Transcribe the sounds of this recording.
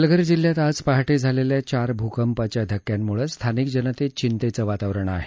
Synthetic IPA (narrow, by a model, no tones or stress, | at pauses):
ləɡəɾd͡ʑil̤ːjat̪ad͡zpaɦaʈed͡zʱaleljat͡ɕaɾbʱukəmpat͡ɕjad̪ʱəkːjanːuɭəst̪ʰanik̚d͡ʑənət̪et͡ɕint̪et͡səʋat̪aʋɾəɳa̰ɦe